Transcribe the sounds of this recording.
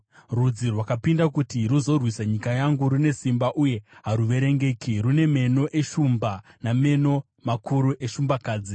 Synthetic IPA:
rud͡zirwakapindakutiruzo̞rwisaɲikajaŋɡuɾune̞simbaʔuje̞ɦaɾuʋe̞ɾe̞ŋɡe̞ːkirune̞me̞no̞ʔe̞ʃumbaname̞no̞ | makʰuɾuʔe̞ʃumbakaːd͡zi

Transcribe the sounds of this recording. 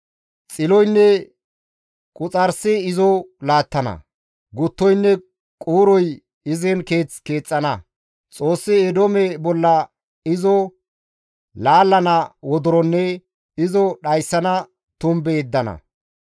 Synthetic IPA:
t͡sʼɪlɔjnːɛ | kʼʊt͡sʼɐɾsɪɪzɔlaːt̪ːɐnɐ̰ | ɡʊt̪ːɔjnːɛ | kʼuːɾɔj | ɪzɛnke̞ːt͡ske̞ːt͡sʼːɐnɐ | t͡sʼo̞ːsːɪɛd̪ɔmɛbɔlːɐ | ɪzɔ | laːlːɐnɐwɔd̪ʊɾɔnːɛ | ɪzɔɗɐjsːɐnɐ | t̪ʊmbed̪ːɐnɐ̰

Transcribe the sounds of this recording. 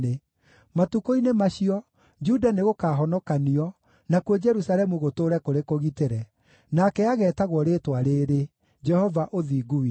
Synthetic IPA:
e | matukoinemaɕiɔ | d͡ʒudaneɣokaːɦɔnɔkaniɔ | nakwed͡ʒɛɾusaɾɛmuɣotoːɾɛkoɾekoɣiteɾɛ | nakɛaɣɛːtaɣwɔɾeːtwaɾeːɾe | d͡ʒɛhɔvaʔoðiːɡui

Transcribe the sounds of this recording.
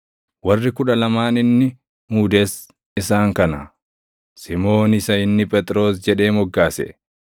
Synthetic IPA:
wɐrːɪkʊᶑɐlɐmaːnɪnːɪ | muːd̪es | ɪsaːŋkɐnɐ | sɪmo̞ːnɪsɐɪnːɪpʼɛt̪ʼɾo̞ːsd͡ʒɛᶑe̞ːmɔɡːaːsɛ̰

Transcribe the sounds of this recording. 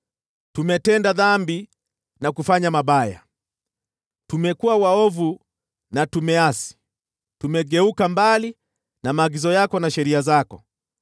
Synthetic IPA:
tumɛtɛndaðambi | nakufaɲamaɓaja̰ | tumɛkuawaɔvu | natumɛasi̥ | tumɛɡɛukambali | namaːɡizɔjakɔnaʃɛɾiazakɔ̰

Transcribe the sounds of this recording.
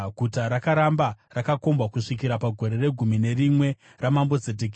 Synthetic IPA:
ɡʱutaɾakaɾamba | rakako̞mbwakuʂikiɾapaɡʱo̞ɾe̞re̞ɡʱumine̞rimwe̞ | ramambo̞d͡zet̬eki

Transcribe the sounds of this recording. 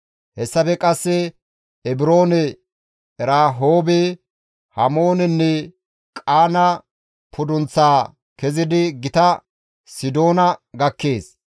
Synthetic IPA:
hɛsːɐpɛkʼɐsːɛ | ɛbɪɾo̞ːnɛ | ɛɾaːɦoːbɛ | hɐmo̞ːnɛnːɛ | kʼaːnɐ | pʰʊd̪ʊnt͡sːaː | kɛzɪd̪ɪɡɪt̪ɐ | sɪd̪o̞ːnɐɡɐkːeːs

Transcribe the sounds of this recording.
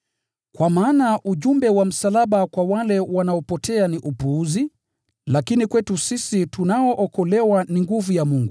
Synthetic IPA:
kwamaːnaʔuʄumbɛwam̩salaɓakwawalɛwanaɔpɔtʰɛaniʔupuuzi | lakinikwɛtusisitunaɔʔɔkɔlɛwaniŋɡuvujamuŋɡu

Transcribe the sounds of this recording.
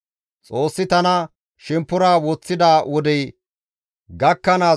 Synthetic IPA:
t͡sʼo̞ːsːɪt̪ɐnɐ | ʃɛmpːʊɾaːwɔt͡sːɪd̪aːwɔd̪ɛj | ɡɐkːɐnaː

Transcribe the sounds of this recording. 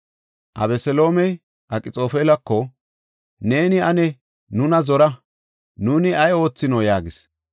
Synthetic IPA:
ʔɐ̰βɛsɛlo̞ːmɛj | ʔɐkʼɪt͡sʼo̞ːfeːlɐkːɔ | ne̞ːnɪɐnɛ | nʊnɐzɔɾɐ | nuːnɪɐjo̞ːt͡sːɪnɔjaːɡɪs

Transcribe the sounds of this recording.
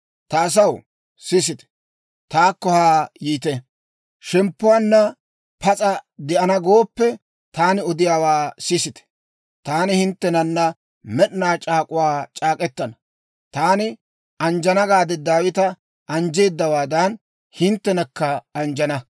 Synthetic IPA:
t̪ɐːs̬ɐw | sɪs̬ɪt̪ɛ̥ | t̪aːkːɔhaːjiːt̪ɛ | ʃɛmpːʊwaːnːɐ | pɐt͡sʼɐd̪ɛʔɐnɐɡo̞ːpːɛ | t̪aːnɪɔd̪ɪjaːwaːsɪsɪt̪ɛ̥ | t̪aːnɪhɪnt̪ːɛnɐnːɐ | mɛɗnaːt͡ʃʼaːkʼʊwaːt͡ʃʼaːkʼɛt̪ːɐnɐ | t̪aːnɪ | ɐnd͡ʒɐnɐɡaːd̪ɛd̪aːwɪt̪ɐ | ʔɐnd͡ʒe̞ːd̪ːɐwaːd̪ɐn | hɪnt̪ːɛnɐkːɐɐnd͡ʒɐnɐ

